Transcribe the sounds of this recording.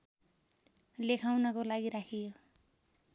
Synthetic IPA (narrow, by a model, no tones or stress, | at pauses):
lekʰawnʌkolaɡiɾakʰijo